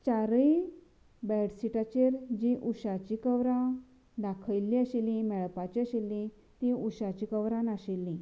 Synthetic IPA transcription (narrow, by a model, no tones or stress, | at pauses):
t͡ɕaɾəi | bɛɽsiʈat͡ɕeɾd͡ʑĩʔuɕat͡ɕikəwɾã | d̪akʰəjlːĩəɕilĩmɛɭpat͡ɕiəɕelːĩ | t̪ĩuɕat͡ɕikəwɾãnaɕilːĩ